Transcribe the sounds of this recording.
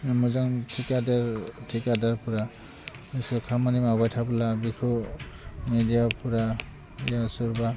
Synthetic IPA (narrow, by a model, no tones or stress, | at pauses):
muzaŋtʰikadaɹtʰikadaɾpʰuɾa | esɔkʰamanimabajtʰabulabikʰu | medijapʰuɾa | ijasuɹba